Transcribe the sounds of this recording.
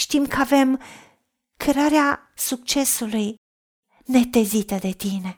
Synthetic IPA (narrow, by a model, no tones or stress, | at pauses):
ʃt̪imkʰəave̞m | kʰeɾaɾea | suk̚t͡ʃe̞suluj | ne̞t̪e̞zit̪əd̪e̞t̪ine̞